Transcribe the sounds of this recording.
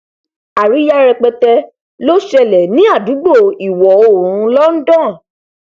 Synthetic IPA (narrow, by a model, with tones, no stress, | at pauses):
a˨ɾi˨˦ja˦ɾɛ˧k͡pɛ˧tɛ˧ | lo˦ʃɛ˧lɛ˨nĩ˨˦a˦˨du˨˦ɡ͡bo˦˨i˨wɔ˨o˦˨ɾũ˧˦lɔ˦n̩˦dɔ̃˦˨